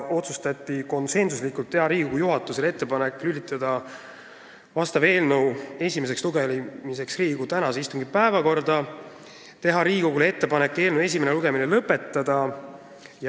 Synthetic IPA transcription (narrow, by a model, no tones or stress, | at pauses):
o̞t̪sust̪ɑt̪ʲːˑiko̞nse̞nsuslikːˑult̪ːe̞ɦɑɾiːɡ̥oɡujuɦɑt̪ːˑusele̞t̪ːe̞pɑne̞kːˑlylʲːit̪ːˑɑd̪̥ɑ | vɑst̪ɑve̞ːlnəwe̞sʲime̞s̬eksluɡelimise̞ksriːɡ̥ut̪ænɑseist̪uŋɡ̥ipæevɑko̞rd̪ɑ | t̪e̞ɦɑɾiːko̞ɡulee̞t̪ːe̞pɑne̞kːˑe̞ːlne̞s̬ʲimeneluɡ̥e̞mine̞lɤpːˑe̞t̪ːˑɑd̪̥ɑ | j